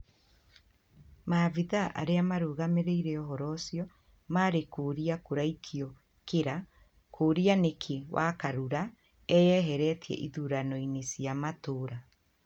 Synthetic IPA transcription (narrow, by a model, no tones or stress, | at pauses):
maviðaʔa̰ɾeamaɾoːɣameɾeiɾeɔɦɔɾɔsiɔ | maːɾekoɾiakoɾaikʰiɔ | keɾa | kʰoɾianekʰewʔa̰kaɾuɾa | ɛjɛɦɛɾɛtʰiɛ̰ʔiðuɾanɔinesiamatoɾa